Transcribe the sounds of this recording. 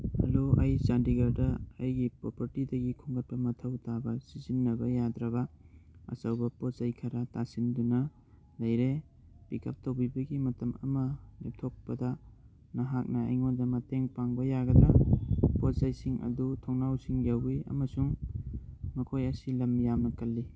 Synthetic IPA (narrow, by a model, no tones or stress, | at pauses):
hɐ̰loajt͡ʃandiɡɐɾdɐːjɡipɾopʰɐɾtidɐɡikʰuŋɡɐt̚pɐmɐtʰɐwtʰabɐsizinːɐbɐjad̪ɾɐbɐɐ̰sɐwbɐpotzajkʰaɾatasindunɐ | lɐjɾe | bikʰa̰p̚towbibɐɡimɐtɐmɐ̰mɐlḛp̚tʰok̚pɐdɐ | nɐɦak̚nɐ̰ːjŋondɐmateŋpaŋbɐjaɡɐdɾapotzajsiŋʔɐ̰dutʰoŋnawsiŋjawiɐ̰mɐsuŋ | mɐkʰojɐsilɐmjamɐkɐlːi